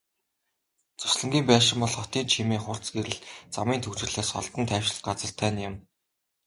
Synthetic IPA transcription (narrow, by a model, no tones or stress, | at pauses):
t͡sʊ̥sɮə̆ŋɡʲiːmpæːʃɪ̆mpɔɮχɔt̪iːnt͡ɕʰimeːŋχʊr̥t͡sɡeɾɘ̆ɮt͡samiːnt̪ʰɵwt͡ɕɪ̆rɮeːsχɔ̰ɮt̪ə̆nt̪ʰæːwʃɪ̆ɮt̪̚ɢat͡sə̆rt̪ʰːæːnjɪ̆m